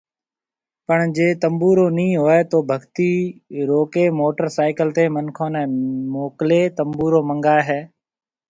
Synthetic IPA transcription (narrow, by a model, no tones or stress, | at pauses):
pəɳd͡ʒeːt̪əmbuːɾoːnĩːɦoːɛːt̪oːbʱəɡt̪iːɾoːkeːmoːʈəɾsaːɪkəlt̪eːmənkʰõːnɛ̃ːmoːkleːt̪əmbuːɾoːməŋɡaːɦɛː